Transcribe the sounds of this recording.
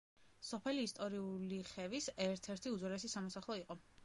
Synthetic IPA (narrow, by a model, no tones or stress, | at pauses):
sɔpʰɛliːst̪ʼɔɾiuliχɛvisɛɾt̪ʰɛɾt̪ʰiud̪zɔɾɛsisamɔsaχlˠɔiqʼɔ